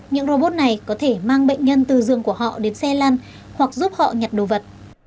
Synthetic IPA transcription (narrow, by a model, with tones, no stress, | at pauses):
ɲɨ̰˧˥ŋɾo˧ɓo˦˥t̚na˨˩jkɔ˨˦t̪ʰe˧˩maː˧ŋɓə̰˧˨ŋ̟ɲə˧nt̪ɨ˨˩zɨ˨əŋku˧˩əhɔ̰˧˨ɗe˨˦nsɛ˧laː˧n | hwa˨˩k̚zu˦˥p̚hɔ̰˧˨ɲa˨˩t̚ɗo˨˩və˨˩t̚